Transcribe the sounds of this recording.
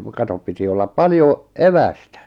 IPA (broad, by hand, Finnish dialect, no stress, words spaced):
kɑtop piti olːɑp pɑljo eʋæstæ